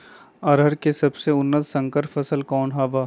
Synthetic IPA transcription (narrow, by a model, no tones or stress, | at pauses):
ɐɾɦəɾkesɐbseʊnːət̪sɐ̃ŋkəɾfʰɐsəlkɔːnɦɐʋaː